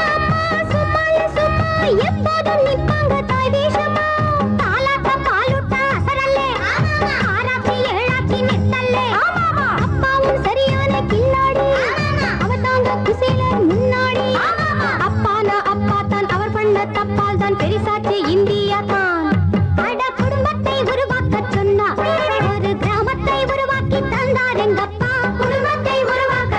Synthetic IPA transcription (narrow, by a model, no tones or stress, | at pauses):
ɐpːasupːaːlɐsupːaɛpːoːðɯnɪpːaːŋɡɐt̪aːjʋeːʂɐpat̪aːlaːt̪ːɐpaːluʈːɐɐɾɐlːe | aːɾaːt̪ːijɛɻaːkːinɛt̪ːɐlːe | ɐpːaːʋɯmsɐɾɪjaːnɐkɪɳːaːɽi | ɐʋɐɾt̪aːŋɡɐkʊsɛlɐɾmʊnːaːɽi | ɐpːaːnɐʔɐpːaːt̪ːaːnɐʋɐɾpɐɳd̪ɐt̪ɐpːaːlt̪aːnpɛɾɪsaːt͡ʃːiɪnd̪ɪjaːt̪aːnkɐɽɐkʊɽʊmbɐt̪ːɐɪʊɾʊʋaːkɐtɾɔnːɐɐɾɯɡɾaːmɐt̪ːɐɪʊɾʊʋaːkːɪt̪ːɐnd̪aːɾɛŋɡɐpːaːkʊɽʊmbɐt̪ːɐɪʊɾʊʋaːkɐ